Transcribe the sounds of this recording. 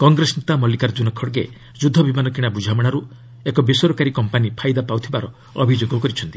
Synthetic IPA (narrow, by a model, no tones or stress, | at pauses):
kɔŋɡɾesnit̪amɔlikaɾd͡ʒunɔkʰːɔɽɡe | d͡ʒud̪ʱːɔbimanɔkiɽ̃abud͡ʒʱamɔɽ̃aɾu | ekɔbesɔɾɔkaɾikɔmpanipʰajd̪apawt̪ʰibaɾɔ | ɔbʱid͡ʒoɡɔkɔɾit͡ʃʰɔnt̪i